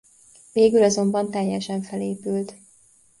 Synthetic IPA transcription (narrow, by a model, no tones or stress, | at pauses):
veːɡylɒzo̞mbɒnt̪ɛjːɛʃɛɱfɛleːpylt̪